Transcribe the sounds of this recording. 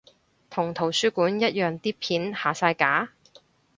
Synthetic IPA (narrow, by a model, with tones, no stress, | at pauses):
t̪ʰʊ˨˩ŋt̪ʰo˨˩wsyː˥kuː˨˥njɐ˥t̚jœː˨ŋt̪iː˥pʰiː˨˥nhaː˨˩saː˧jkaː˨˥